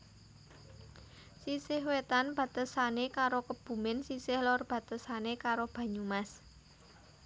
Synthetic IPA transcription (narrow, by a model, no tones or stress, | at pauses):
sisɪhwet̪anb̥a̤t̪əsanekaɾokəb̥ṳmɪnsisɪhlɔrb̥ä̤t̪əsanekaɾob̥ä̤ɲumas